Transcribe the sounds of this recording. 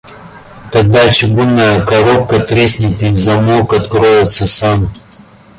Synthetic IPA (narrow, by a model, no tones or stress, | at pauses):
t̪ɐɡ̚d̪at͡ʃɪɡunːajəkɐɾop̚kət̪ɾʲesʲnʲɪt̪ʲɪzɐmokɐt̪kɾojɪt̪səsam